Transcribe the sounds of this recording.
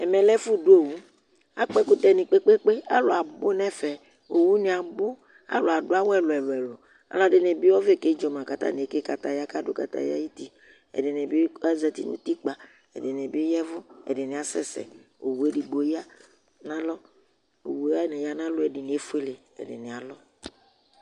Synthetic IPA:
ɛ˨mɛ˨lɛ˦fu˦du˦o˨wu˦ | a˦k͡pɛ˦kʊ˦t̪ɛ˨nĩ˨k͡pe˦k͡pe˦k͡pe˦a̰˦lo˨a˨bo˦nɛ̃˦fɛ˨ | o˨wu˦nĩ˨a˨bʊ˦ | a̰˦lo˨a˨dʊ˦a˦wɛ˦lɔ˨ɛ˨lʊ˨ɛ˨lɔ˨ | a̰˨lɔ˦ɖe˨ne˨bi˦wɔ˦ve˦˨ke˦d͡ʒɔ˨m˨ã˨ka˨t̪a̰˦n˨ke˦ka˨t̪a˨ja˦ka˦dʊ˦ka̰˨t̪a̰˨ja̰˦ji˦t̪i˦ | ɛ̰˨de˨ne˨bi˦a˦zɛ˨t̪i˦nṵ̃˦t̪i˦k͡pa˨ | ɛ̰˨de˨ne˨bjɛ˦vʊ˦ɛ̰˨de˨ni˨a˨sɛ̰˦sɛ̰˨ | o˨wu˨e˦di˨ɡ͡bo˨ja˦ | nã˦lɔ˦ | o̰˨wu˨ja˦nɛ˨ja˦nã˦lʊ˦ɛ˨di˨nĩ˨˦e˦fu˦e˦le˨ | ɛ̰˨dḛ˨nẽ˨a˨lɔ˦

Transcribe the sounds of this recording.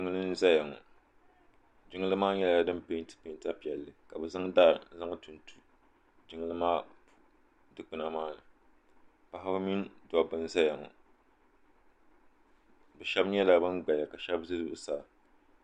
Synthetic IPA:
d͡ʒɪ˦ŋ˦lɨ˦n˦za˦ja˨ŋɔ̰˨ | d͡ʒɪ˦ŋɨ˦lɨ˦maː˦ɲɛ˦la˨dɨ˦mpe˦ntɨ̥˦pe˦nta˦pi˨ɛ˨lːɨ˨ka˨bɛ˨za˦ŋda˦˨ɾza˦ŋ˦tu˨ntu˦ | d͡ʒɪ˦ŋɨ˦lɨ˦maː˦˨˦ | dɨ˦k͡pɨ˨na˨maː˦nɨ˨ | pa˨ha˦bɨ˦mi˦ndɔ˨bɨ˦n˦za˦ja˨ŋɔ̰˨ | bɛ˨ʃɛ˦bɲɛ˦la˦bɨ˦nɡ͡ba˨ja˨ka˨ʃɛ˦bzɨ˦zʊ˦˨ʔsa˨

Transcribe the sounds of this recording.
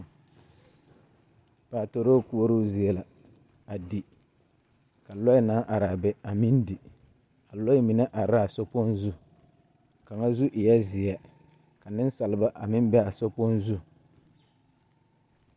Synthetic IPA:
paː˨to˨ɾo˦ku˦o˦ɾu˦zi˨ɛ˨la˨ | a˨di˨ | ka˨lɔ˦i˦na˦ʔa˨ɾa˨bɛ˦a˨mi˦ndi˨ | a˨lɔ˦i˦mi˨na˦ʔa˨ɾa˦a˨so˦po˦nzu˦ | ka˨ŋa˦zu˦ʔi˨ja˦zɪ˨a˨ | ka˨nɪ˦n˦sa˨lɨ˨ba˦ʔa̰˨mɪ˦m˦bɛ˦a˨so˦po˦nzu˦

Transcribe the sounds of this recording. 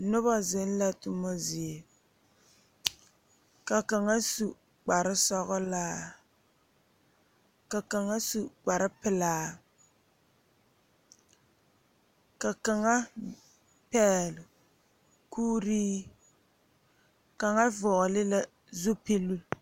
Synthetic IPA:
nʊ˦ba˦zɪ˦n˦la˦tʊ˦ma˦zɪ˨e˨ | ka˨ka˨ŋa˦su˨ | k͡pa˨ɾɪ˦sɔ˦ɣɔ˦laː˦ | ka˨ka˨ŋa˦su˨ɡ͡ba˨ɾɪ˦pɪ˨laː˦ | ka˨ka˨ŋa˦ | pɛː˦lʊ˨ | kʰuː˦ɾiː˦ | ka˨ŋa˦vʊ˨ʔlɪ˦la˦ | zu˦pi˦lu˦

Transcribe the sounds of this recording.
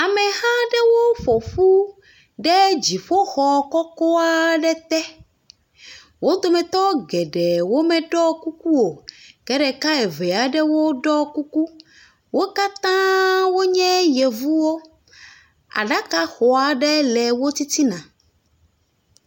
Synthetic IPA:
a˨mɛ̃˨hã˦ɖɛ˦wo˦ɸo˨ɸu˦ | ɖɛ˦d͡ʑi˨ɸo˦xɔ˨kɔ˦kɔ˦a˦ɖɛ˦t̪ɛ˦ | wo˦d̪o˨mɛ̃˨t̪ɔ˦ɡɛ˨ɖɛ˨wo˦mɛ̃˨ɖɔ˦ku˦ku˦wo˨kɛ˦ɖɛ˨ka˦ɛ˨vɛ˨a˨ɖɛ˦wo˦ɖɔ˦ku˦ku˦ | wo˦ka˦t̪ã˦wo˦ɲɛ̃˦jɛ˨vu˦wo˦ | a̰˨ɖa˦ka˦xɔ˨a˨ɖɛ˦lɛ˨wo˦t̪i˦t̪i˦nã˨

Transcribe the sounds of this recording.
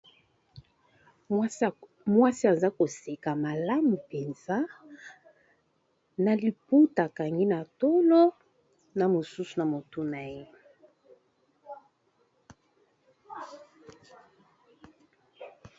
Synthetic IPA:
mwa˦si˦a˨za˦ko˨se˨ka˨ma˨la˦mu˨pe˨nza˦ | na˨li˨pu˦ta˨ka˨ŋɡi˦na˨to˦lo˦ | na˨mo˨su˦su˨na˨mo˨tu˦na˨je˦

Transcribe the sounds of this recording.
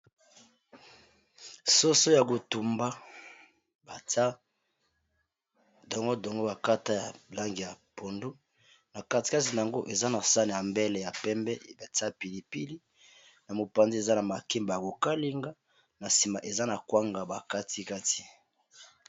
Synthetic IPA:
so˦so˦ja˨ko˨tu˨mba˦ | ba˨ta˦ | dɔ˨ŋɡo˦dɔ˨ŋɡo˦ba˨ka˦ta˦ja˨la˦ŋɡi˨ja˨po˨ndu˦ | na˨ka˦ti̥˨˦ka˦ti˨na˨ŋɡo˦ʔe˨za˦na˨sa˦n˨ja˨mbɛ˦lɛ˨ja˨pɛ˦mbɛ˦˨ba˨ta˦pi˨li˨pi˦li˦ | na˨mo˨pa˨nzi˦e˨za˦na˨ma˨ke˦mba˨ja˨ko˨ka˦li˦ŋɡa˦ | na˨si˨ma˨ʔe˨za˦na˨kwa˦ŋɡa˨ba˨ka˦ti˦ka˦ti̥˨

